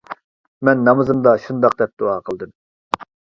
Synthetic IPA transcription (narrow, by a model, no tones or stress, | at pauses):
mɛnːɑmɨzɨmd̪ɑʃund̪ɑq̚d̪ɛp̚d̪̥oɑqʰəlˠd̪ɨm